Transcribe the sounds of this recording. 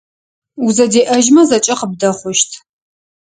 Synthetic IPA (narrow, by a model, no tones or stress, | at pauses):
uzɐdeːʔɐʒmɐzɐt͡ʃʼɐqəb̚dɐχʷʊʃtʰ